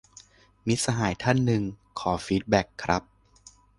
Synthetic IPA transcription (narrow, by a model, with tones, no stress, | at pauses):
mi˦˥t̪̚sa˧ɦaː˩˦jt̪ʰa˥˩nːɯ˨˧ŋkʰɔː˩˦fiː˦˥t̪̚bɛ˦˥kʰːɾʔa˦˥p̚